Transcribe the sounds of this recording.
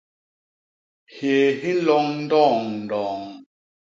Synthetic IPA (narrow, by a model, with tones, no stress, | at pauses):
heː˨ɦi˦lɔ˨˦ŋn̩˦dɔː˦˨ŋn̩˨dɔː˨ŋ